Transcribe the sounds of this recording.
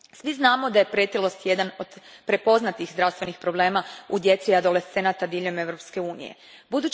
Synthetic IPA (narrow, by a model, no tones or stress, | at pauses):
sʋiznaːmo̞d̪aje̞pɾet̪ilˠost̪je̞d̪ano̞d̪pɾe̞po̞znat̪ixzd̪ɾawst̪ʋe̞nixpɾo̞ble̞ːmaud̪je̞t̪siad̪o̞lest̪e̞nat̪ad̪iːʎo̞me̞ʋɾo̞pske̞uːnḭjḛ | bud̪uːt͡ʃ